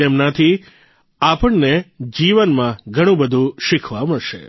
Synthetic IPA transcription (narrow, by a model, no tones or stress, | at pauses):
emnat̪ʰi | apəɳned͡ʒiʋənmãɡʱəɽ̃ũbəd̪ʱũʃɪkʰʋaməɭʃḛ